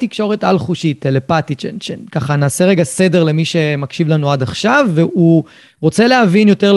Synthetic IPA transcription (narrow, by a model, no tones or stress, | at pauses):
tikʃo̞ʁe̞talχuʃitelepatit͡ʃenʃenkaχanaːse̞ʁeɡase̞de̞ʁle̞miʃe̞makʃivlanuadaχʃavːeu | ʁo̞t͡se̞leavinjo̞te̞ʁl